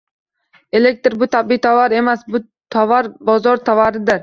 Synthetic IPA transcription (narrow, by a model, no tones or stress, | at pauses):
e̞lek̚ʲt̪ɾbʊt̪ʰabit̪ʰavaɾe̞masbʊ | t̪ʰavaɾbɒzɒɾt̪ʰavaɾɪd̪ɪɾ